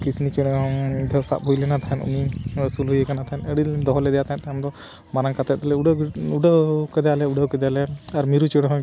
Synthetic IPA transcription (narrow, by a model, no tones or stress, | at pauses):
kisnit͡ʃɛɽ̃ɔŋd̪ʱɛwsa̰ʔ̚bʱujlɛnat̪ʰaɦɛnṵnisulɦujəkanat̪ʰaɦɛnəɽid̪ɔɦɔlɛd̪ɛjat̪aɛ̃ʔt̪amd̪ɔ | maɾaŋkat̪ɛt̪̚ɔlɛɖuɖawkɛd̪jalɛuɖawkɛd̪jalɛaɾmiɾut͡ʃɔɽɦɔ̃